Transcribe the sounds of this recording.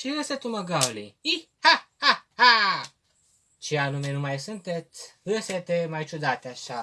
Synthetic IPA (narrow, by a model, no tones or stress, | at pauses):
t͡ʃiəset̪uməɡawliihahaha | t͡ʃeanumenumajsɨnt̪et̪sʲɨset̪emajt͡ʃud̪at̪eaʃa